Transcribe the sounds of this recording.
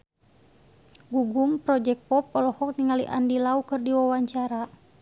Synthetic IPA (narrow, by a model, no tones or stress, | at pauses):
ɡuɡumpɾɔd͡ʒɛk̚pɔpɔlɔhɔk̚niŋaliʔa̰ndilaukɨrdiwawaɲt͡ʃaɾa